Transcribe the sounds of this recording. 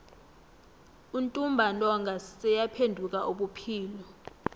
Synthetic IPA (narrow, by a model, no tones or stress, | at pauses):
untʼumbʱantʼɔŋɡʱasɛjapʰendʱuk̬ʼaʔoɓupʰiːlɔ